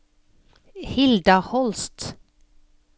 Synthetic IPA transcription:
hɪld̪ɑhɔlst̪

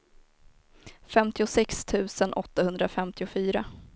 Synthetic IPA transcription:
fɛmt̪ɪʊsɛkst̪ʰʉ̟ːsənʔɔt̪ːahɵnd̪ɾafɛmt̪ʰɪʊfyːɾa

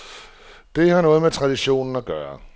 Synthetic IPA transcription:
d̥e̝hɑ̈nɔ̽ːð̞̩ˠmet͡sʰʁɑ̈d̥iɕo̝̰ːnn̩ɒɡ̥ɶːɐ̰

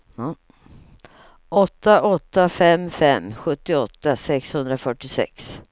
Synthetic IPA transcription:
ʔɔt̪ːaʔɔt̪ːafɛmfɛmːɧɵt̪ːɪɔt̪ːasɛkshɵnd̪ɾafœʈːɪsɛ̰ks

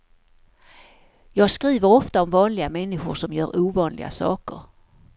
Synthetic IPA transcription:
jɑːɡskɾiːvəɾɔft̪aɔmvɑːnlɪɡamɛnːɪɧʊ̰ʂɔmjœ̰ːɾʔuːvɑːnlɪ̰ɡa̰sɑ̰ːkə̰ɾ

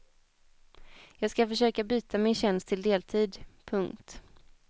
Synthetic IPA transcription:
jɑːɡskafœʂøːkabyːt̪ʰamɪnɕɛnst̪ʰːɪld̪eːlt̪ʰiːd̪pʰɵŋkt̪

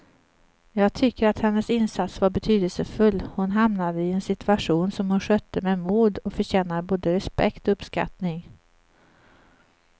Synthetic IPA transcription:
jɑːɡ̚t̪ʰʏkːəɾat̪hɛnːəsɪnsat̪svaɾbɛt̪ʰyːd̪əlsəfɵlːhʊnɦamnad̪əɪɛnsɪt̪ɵaʂuːnsɔmhʊnɧœt̪ʰːəmɛmuːd̪ɔfœɕɛːnaboːd̪əɾɛspɛ̰kt̪ɔɵpska̰t̪nɪŋ

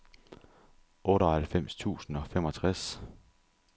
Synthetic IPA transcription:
ʔɔ̽ːɾɒhælfem̰st͡sʰṵːsn̩ɒ̽fem̰ɒ̽t͡sʰʁas

